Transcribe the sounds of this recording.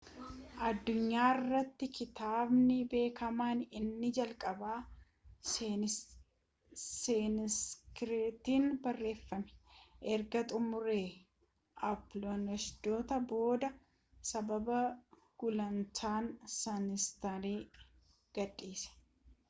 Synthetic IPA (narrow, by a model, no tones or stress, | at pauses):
ʔɐd̪ːʊɲːaːɪrːɐt̪ːɪkɪt̪aːbnɪbe̞ːkɐmaːnɪnːɪd͡ʒɐlkʼɐbaː | seːnskɾeːt̪iːnbɐrːe̞ːfːɐmɛ̥ʔɛɾɡɐt̪ʼʊmʊɾeː | ʔɐploːnɐʃd̪̥o̞ːt̪ɐbo̞ːd̪ɐ | sɐbɐbɐ | ɡ̥ʊlɐnt͡ʃ̪aːnsɐnɪst̪ɐɾiː | ɡ̥ɐᶑːiːsɐ̥